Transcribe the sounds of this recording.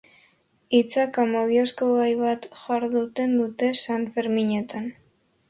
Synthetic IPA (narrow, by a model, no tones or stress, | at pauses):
it͡sakamoð̞ioskoβajβat̪ʝaɾðut̪e̞nd̪ut̪e̞sanfeɾmiɲe̞t̪ʰan